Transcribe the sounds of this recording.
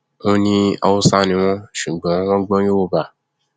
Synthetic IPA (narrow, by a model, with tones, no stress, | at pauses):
o˧nĩ˧a̰˧wo˧sa˧nĩ˧wɔ̃˦ʃu˨ɡ͡bã˨˦wɔ̃˦ɡ͡bɔ̃˦ɲi˦wo˧ba˨